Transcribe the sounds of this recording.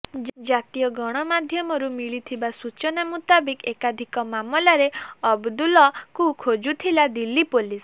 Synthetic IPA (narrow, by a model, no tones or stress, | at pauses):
d͡ʒat̪ijɔɡɔɽ̃ɔmad̪ʱjɔmɔɾumiɭit̪ʰibasut͡ʃɔnamut̪abikekad̪ʱikɔmamɔlaɾeɔbd̪ulɔkukʰod͡ʒut̪ʰilad̪ilipolis